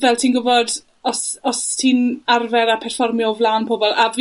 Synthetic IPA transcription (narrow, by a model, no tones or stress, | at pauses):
vɛlˠtʰiːnɡʊvɔd | ɔsɔstʰiːnarvɛɾapʰɛr̥fɔrmjovlˠanpʰoːbɔlˠav